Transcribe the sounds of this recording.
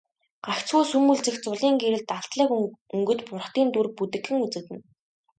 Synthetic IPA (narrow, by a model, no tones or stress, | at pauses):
ɢ̥akt͡sxuːsumuɮt͡sɘ̆xt͡sʊɮiːŋɡeɾɘ̆ɮt̪aɮt̪ɮə̆ːkɵŋɡɵ̆t̪pʊrχt̪iːnt̪urput̪ɘ̆xɘ̆ŋut͡sɘ̆t̪ɘ̆n